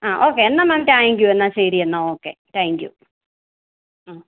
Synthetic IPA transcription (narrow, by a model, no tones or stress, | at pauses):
aːʔoːkːenːamɐmtaŋkjuenːasejɾiɐnːoːoːkːetaːŋkjṵ | a